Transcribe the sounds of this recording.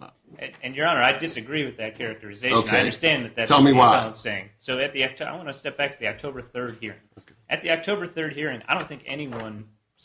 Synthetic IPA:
ɨ̃ɨ̃njə˞ɑnə˞aɪdɨsɨɡɹiwɨðɨt̚kʰɛɹɨk̚tə˞ɨzeɪoʃnaeʌ̃də˞stæ̃nðɨt̪̚ðættʰɛlˠmiwaãnseɪɪ̃ŋsoʊɨt̪̚ðiã̰ɪ̃mwɑ̃nɨstɛp̚b̥æk̚tʰɨðiɑk̚tʰoʊbə˞θɜ˞d̚hiɹɪ̰̃ŋ | ʔɨt̪̚ðiɑk̚tʰoʊbə˞θɜ˞d̚hiɹɪ̃ŋaɪdõʊ̃nθɪ̃ŋkɛ̰niwʌ̃n

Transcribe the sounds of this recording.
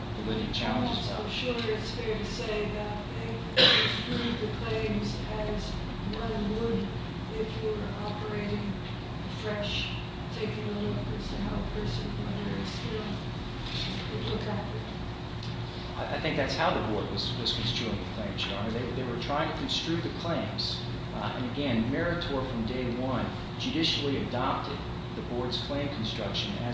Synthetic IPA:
ðɨlɪɾɪ̃ŋ̚t͡ʃʰælˠə̃nd͡ʒzz | ʃʃʊlˠiɨtsfɛɹɾɨseɪðɨɾaɪθɪ̃ŋk̚ | suðɨkʰl̥ẽɪ̃mz | ɨz | wʌ̃ɾ̃nwʊd | ɪfjəə˞ʔɑpə˞eɪɾɪ̃ŋ | ɨfɹɛʃ | tʰeɪkɪ̃ŋəlʊkɨstʰɨɦɛlˠpʰɜ˞sɨ̃nʌ̃ɾə˞ɨstɪlˠ | ɨlʊkæt̚ɨt̚ | aɪʔaɪθɪ̃ŋk̚ðætshaʊðəbɔɹd̚wʌz̥wʌz̥kʰn̩stɹ̥ʉɪ̃ŋðɨkʰlæ̃ŋt͡ʃɑ̃nðeɪðeɪwə˞tʰɹ̥aɪɪ̃ŋtʰɨkʰɨ̃nstɹ̥ʉðɨkʰl̥ẽɪ̃mz̥ | ɨ̰̃nɨɡɛ̃nmɛɹɨtʰɔɹfɹʌ̃mdeɪwʌ̃n | d͡ʒʉɾɪʃl̩ˠiɨdɑp̚tɨd̪̚ | ðɨbɔɹdz̥kʰl̥ẽɪ̃mkʰn̩stɹ̥ʌkʃɨ̃nɨ̰

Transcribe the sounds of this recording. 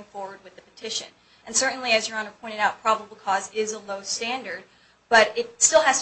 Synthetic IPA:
ŋfɔɹwə˞d̚wɨðɨpɨtʰɪʃɨ̰̃n | ɨ̃nsɜ˞ʔn̩liɨzjə˞ə̃nəpʰɔ̃ɪ̃ɾ̃ɨ̃ɾaʊt̚pʰɹ̥ɑbəbl̩ˠkʰɔzɪzəloʊstæ̃ndə˞d̚ | b̥ʌɾɪt̚stɪlˠɦæz̥t

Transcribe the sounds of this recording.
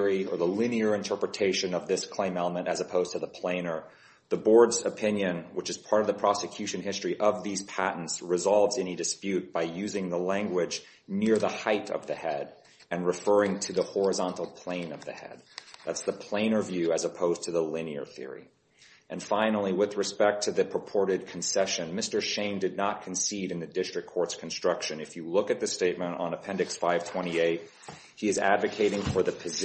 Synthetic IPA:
iə̰˞ðəlɪ̃niə˞ɨ̃ntʰɜ˞pɹɨtʰeɪʃɨ̃nʌvðɪskʰl̥ẽɪ̃mɛlˠəmɨ̃ñɨzɨpʰoʊz̥tʰɨðəpʰl̥ẽɪ̃nə˞ | ðəbɔɹdzɨpʰɪ̃njɨ̃nwət͡ʃɨz̥pʰɑɹɾʌvðəpʰɹ̥ɑsɨkʰj̥ʉʃɨ̃nɦɪstɹ̥iʔʌvðiz̥pʰæʔn̩tsɹɨzɑlˠvzɛnidɨspjʉt̚b̥aɪjʉzɪ̃ŋðəlæ̃ŋɡwɪd͡ʒ | nɪɹðəhaɪɾʌ̰vðɨhɛɾ | ɨ̃nɹɨfɜ˞ɪ̃ŋtʰɨðəhɔɹɨzɑ̃ntˡl̩ˠpʰl̥ẽɪ̃nʌvðɨ̰hɛ̰d̪̚ðætsðəpʰl̥ẽɪ̃nə˞vjʉɨzəpʰoʊztʰɨðəlɪ̃niə̰˞θɪ̰ɹḭ | ʔɨ̃nfãɪ̃nl̩ˠiwɨðɹɨspɛk̚tʰɨðɨpʰɹ̥əpʰɔɹɾɨd̚kʰn̩sɛʃɨ̃nmɪstə˞ʃẽɪ̃ndɨdⁿnət̚kʰn̩siɾɨ̃nðɨdɪstɹ̥ɨkʰːɔɹtskʰn̩stɹ̥ʌkʃɨ̃nɨfjɨlʊkɨt̪̚ðɨsteɪt̚mə̃ntn̩əpʰɛ̃ndɨksfaɪv̥tʰw̥ɛ̃ɾ̃ieɪt̚ | hiɨzæ̰dvɨkʰeɪɾɪ̃ŋfə˞ðɨpʰɨz

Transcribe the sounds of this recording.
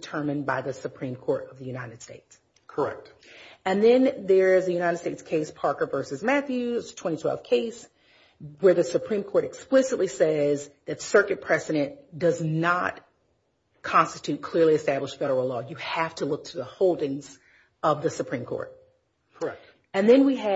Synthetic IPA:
tʰɜ̃˞mɨ̃nbaɪðɨsɨpʰɹ̥ĩmkʰɔɹɾʌvðɨjʉnaɪɾɨd̥steɪts | kʰə˞ɛ̰k̚t | ɨ̃nðɨ̃nðə˞ɪzɨjʉñaɪɾɨd̥steɪtskʰeɪspʰɑɹkə˞vɜ˞sɨzmæθjʉztʰw̥ɛ̃ɾ̃itʰwɛ̰lˠv̥kʰeɪs | wə˞ðɨsɨpʰɹ̥ĩmkʰɔɹɾɨksplɪsɨtˡlisɛzðɨtsɜ˞kɨt̚pʰɹ̥ɛzɨɾɨ̃nd̥ʌznət̚ | kʰɑ̃nstɨtʰʉt̚kʰl̥ɪɹliɨstæbləʃfɛɾə˞l̩ˠlɔjɨhæftʰəlʊk̚tʰəðəhoʊlˠdɪ̃ŋz̥ | ʔʌvðɨsɨpʰɹ̥ĩmkʰɔ̰ɹt̚ | kʰəɛt | ɨ̃nðɨ̃nwiɨ

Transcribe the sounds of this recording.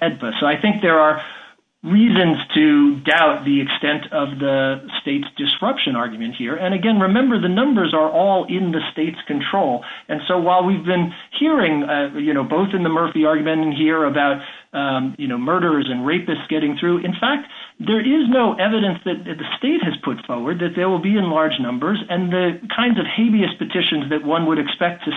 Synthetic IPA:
ɛd̚bɨsoʊaɪθɪ̃ŋk̚ðə˞ə | ɹizɨ̃nz̥tʰɨdaʊt̪̚ðiɨkstɛ̃ntʰʌvðəsteɪtsd̥ɨsɹʌpʃɨ̃nɑɹɡjmɨ̃nt̚hiɹɨ̃ñɨɡɛ̃nɹɨmɛ̃mbə˞ðɨnʌ̃mbə˞zə˞ʔɔlˠɪ̃nðɨsteɪtskʰɨ̃ntʰɹ̥oʊlˠɨ̃nsoʊwaɪlˠwivbɨ̃n | hiɹɪ̃ŋjɨñoʊboʊθɨ̃nðəmɜ˞fiɑɹɡjmɨ̃ñɨ̃nɦiɹəbaʊt̚ | jɨnoʊmɜ˞ɾə˞zɨ̃nɹeɪpɨstsɡ̥ɛɾɪ̃ŋθɹʉʔɨ̃nfæk̚t̪̚ðə˞ʔɪznoʊʔɛvɨɾɨ̃nsðɨt̪̚ɨðɨsteɪt̚hɨz̥pʰʊtfɔɹwə˞d̪̚ðɨt̪̚ðə˞wəl̩ˠbiɨ̃nlɑɹd͡ʒnʌ̃mbə˞zɨ̃nðɨkʰãɪ̃ndzʌv̥heɪviɨspɨtʰɪʃɨ̃nzðɨt̚wʌ̃nwəɾɨkspɛk̚tʰɨ

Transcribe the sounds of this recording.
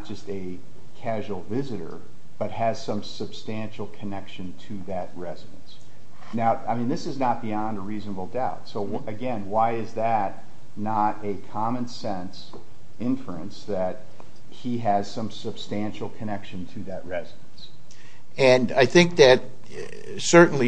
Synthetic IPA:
t̚d̥ʒ̥ʌstɨ | kʰæʒwl̩ˠvɪzɨɾə̰˞ | b̥ʌt̚hɨz̥sʌ̃msɨb̥stæ̃nʃl̩ˠkʰɨnɛkʃɨ̃ntʰɨðɨt̚ɹɛzɨɾɨ̰̃ns | naʊaɪmĩnðɪsɨznət̚b̥iɑ̃ndəɹiznəbl̩ˠdaʊtsoʊ | ɨɡɛ̃nwaɪɪzðɨtⁿ | nəɾɨkʰɑmɨ̃nsɛ̃ns | ɪ̃ɱfə˞ɨ̰̃nsðɨt̚ | hiɨz̥sʌ̃msɨb̥stæ̃nʃl̩ˠkʰɨnɛkʃɨ̃ntʰɨðɨʔ̚ɹɛzɨɾn̩s | ɨ̃naɪθɪ̃ŋk̚ðɨt̚ | sɜ˞ʔn̩li

